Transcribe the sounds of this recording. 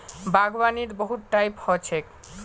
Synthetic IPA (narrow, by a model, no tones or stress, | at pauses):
baɡbaniɾboɦuʈːajphɔt͡ɕʰek̚